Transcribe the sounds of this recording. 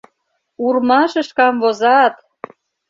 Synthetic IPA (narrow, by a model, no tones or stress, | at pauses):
urmɑʃə̆ʃkɑmvozɑt̪